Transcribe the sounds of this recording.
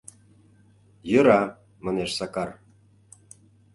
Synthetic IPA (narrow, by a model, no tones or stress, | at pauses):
jə̆ɾɑ | mɑneʃsɑkɑr